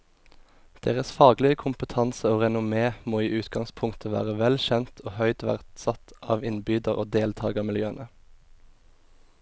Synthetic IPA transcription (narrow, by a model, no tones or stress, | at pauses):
d̪̥ḛːʁəsfɑːɡlɪəkʰʊmpət̪ʰɑnsəoːʁɛnʊmeːmoːiːʔʉːt̪ɡɑŋspʰʊŋt̪ʰəʋæ̰ːʁəʋɛlʃɛnt̪ʰoːhœʏd̪ʋæ̰ʁt̪sɑt̪ʔɑ̰ːʋɪnbyːd̪əʁo̰ːd̪eːlt̪ʰɑːɡəmɪljøːənʔə